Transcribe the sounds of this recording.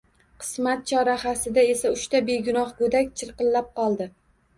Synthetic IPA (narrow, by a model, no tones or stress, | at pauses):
qʰɨ̥smat̪̚t͡ʃʰɒɾaχasɪd̪ae̞saʊʃt̪abe̞ɡʲʊnɒχɡod̪akʲt͡ʃʰɨɾqɨllːap̚qɒlˠd̪ɪ